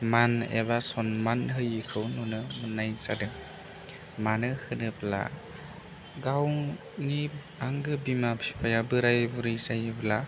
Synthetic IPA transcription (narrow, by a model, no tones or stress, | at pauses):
manḛβasɔnmanɦɯjɯkʰɯwnunɯmɯnːajsa̰dɯ | manɯhɯnɯpla̰ | ɡaw | ni | aŋɡɯbimapʰi̥pʰajabɯɾajbuɾɯjsajbla